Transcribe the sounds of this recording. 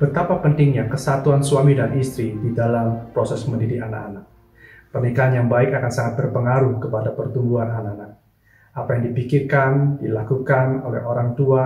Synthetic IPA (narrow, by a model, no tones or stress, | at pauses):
b̥ət̪apapənt̪ɪŋɲakəsat̪uansuamidanʔist̪ɾididalampɾosɛsməndidiana̰kanak̚ | pərnikaɦanjaŋbaɪkakansaŋat̪̚bərpəŋaɾuhkəpadapərt̪umbuanananak̚ | ʔapajaŋdipikirkandilakukano̰lɛ̰hoɾaŋt̪ua